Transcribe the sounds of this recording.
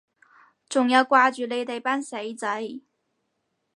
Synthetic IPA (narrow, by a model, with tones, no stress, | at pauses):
ʈ͡ʂʊ˨˩ŋjɑ˥˧ʊkwa˥˧t͡ɕy˧le˥˧ɪt̪e˥˧˩ɪpa˥nse˧˥i˧˩t͡sa˧˥i˨˩˦